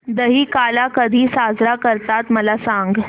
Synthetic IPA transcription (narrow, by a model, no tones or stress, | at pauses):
d̪əɦiːkalakəd̪ʱiːsad͡zɾakəɾt̪at̪məlasaŋɡ